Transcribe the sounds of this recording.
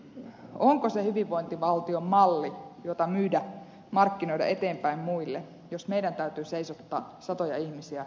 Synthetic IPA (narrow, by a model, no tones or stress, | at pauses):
oŋkosehyʋiʋʋːoint̪iʋɑlt̪iomːɑlːijot̪ɑmyːdæ | mɑrkːinoijdɑ̰ʔet̪eːmpæimmuilːe | josmeidænt̪æyt̪yːseisot̪ːɑ̰ː | sɑt̪ojɑihmisiæ